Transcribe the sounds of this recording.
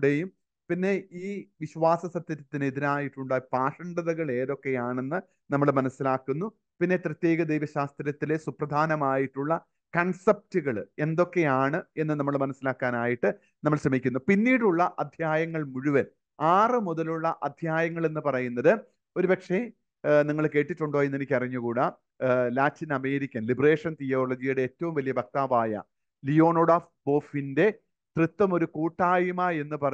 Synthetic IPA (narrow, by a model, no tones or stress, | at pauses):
ɽejum | pinːe̞ʔiːʋiɕʋaːsɐsɐt̪jɐɾɐt̪ːineðiɾaːjiʈːuɳɖapaːʂɐɳɖɐðɐɣɐɭe̞ːðo̞kːe̞jaːɳe̞nːɨ | nɐmːɐɭmɐnɐsːilaːkːunːu | pinːe̞t̪rɨt̪jeːɣɐd̪ejʋɐɕaːst̪ɾjɐt̪ːilesuprɐd̪ʱaːnɐmaːjiʈːuɭːɐ | kɐɳsɐp̚tuɣɐɭe̞nd̪o̞kːe̞jaːɳɨe̞nːɨnɐmːɐɭmɐnɐsːilaːkːaːnaːjiʈːɨ | nɐmːɐɭɕrɐmikʲːunːupinːiːɽuɭːɐʔɐd̪ʱjaːjɐŋːɐɭmuɻuʋɐn | aːrɨmuðɐluɭːɐʔɐd̪ʱjaːjɐŋːɐɭe̞nːɨpɐrɐjunːɐðɨ | o̞ɾupɐkʂe̞ | niŋːɐɭke̞ːʈːitːuɳɖo̞ːjenːenikʲːɐriɲːukuːɽɐ | laːtinɐme̞ːɾikʲːɐnlibreːʂɐnt̪ijo̞ːɭɐd͡ʑijuɽeeːtːɐʋumʋɐlijɐbʱɐk̚t̪aːʋaːjɐ̰ | lijo̞ːno̞ːɽaːf | bo̞ːfinde̞ | t̪rɨt̪ːɐmo̞ɾukuːʈːaːjumaːe̞nːɨpɐrɐ